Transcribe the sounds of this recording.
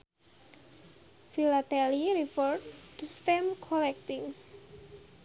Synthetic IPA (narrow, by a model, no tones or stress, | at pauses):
filat̪ɛliɾifɔrt̪ust̪ɛmkʰɔlɛk̚t̪ɪŋ